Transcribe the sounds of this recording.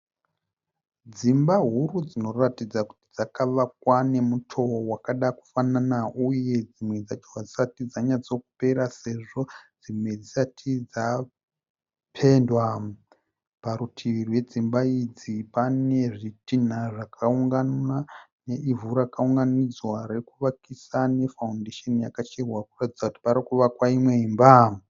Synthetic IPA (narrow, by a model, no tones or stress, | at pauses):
d͡zimbaɦuɾud͡zino̞ratid͡zaku̥ti̥d͡zakaʋak̚wane̞mutʰo̞wakaɗaku̥fananauje̞d͡zimwe̞d͡zat͡ʃowad͡zisatid͡zaɲad͡zo̞k̚upe̞ɾase̞ʐo̞d͡zimwe̞d͡zisatʰid͡za | pʰe̞ndwa | paɾutʰiirwe̞d͡zimbaid͡zipane̞ʐitin̤aʐakʰauŋɡanane̞ʔivuɾakauŋɡanid͡zwaɾe̞kuʋakisane̞faundeʃenijakat͡ʃerwakuratid͡zakuti̥paɾikuʋakwaimwe̞imba